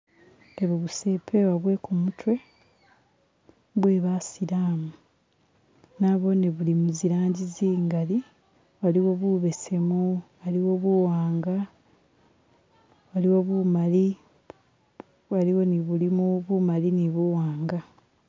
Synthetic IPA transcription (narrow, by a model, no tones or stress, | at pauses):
eβuβuse̞pʰe̞waβwe̞kumutwe̞ | βwe̞ːβasiɾaːmu | naβo̞niβulimuziɾaːɲɟiziːŋɡali | βaliwo̞βuβe̞se̞muβaliwo̞βuwaːŋɡa | βaliwo̞βumali | βaliwo̞niβulimuβumaliniβuwaːŋɡa